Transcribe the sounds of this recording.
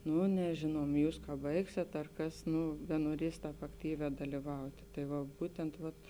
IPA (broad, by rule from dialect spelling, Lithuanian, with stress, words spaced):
ˈnʊ nʲɛˈʒʲeːnuɔm ˈjuːs kɐ ˈbɐɪksʲeːt ɐr ˈkɐs ˈnʊ bʲɛnuɔˈrʲiɛs ˈtɑːp ɐkˈtʲiːʋʲɛː dɐlʲiːˈʋɐʊtʲeː tɐɪ ˈʋɐ ˈbuːtʲɛnt ʋɐt